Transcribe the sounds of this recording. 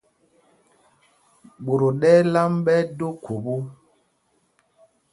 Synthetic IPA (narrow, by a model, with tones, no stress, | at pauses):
ɓo˨ɾo˨ɗɛ˦la˦mɓɛ˦do˦kʰo˨bo˦